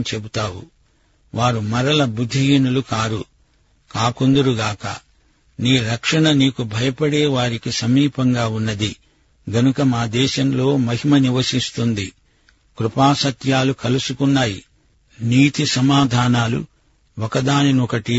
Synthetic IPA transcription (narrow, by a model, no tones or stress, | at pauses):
t͡ʃebut̪aːwṵ | ʋaːɾumɐɾɐlɐbud̪ʱːinulukaːɾu | kaːkond̪ɐɾuɡaːkɐ̰ | niːɾɐkʂɐɳɐniːkubʱɐjɐpɐɽeːʋaːɾikisɐmiːpɐŋɡaːunːɐd̪i | ɡɐnukɐmaːd̪ɛːʃɐmlo̞ːmɐɦimɐniʋɐsist̪und̪i | kɾupaːsɐt̪jaːlukɐlusukunːaːji | niːt̪isɐmaːd̪ʱaːnaːlṵ | ɔkɐd̪aːninɔkɐʈi